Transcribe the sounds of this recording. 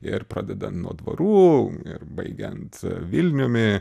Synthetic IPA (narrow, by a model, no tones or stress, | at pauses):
ɪ̰ɾpɾɑ̰ːd̪ʲɛd̪ɐnt̪nuɔd̪ʋɐ̰ɾuːɪ̰ɾbɐɪɡʲɛ̰nt̪ʋʲɪlʲnʲoːmʲɪ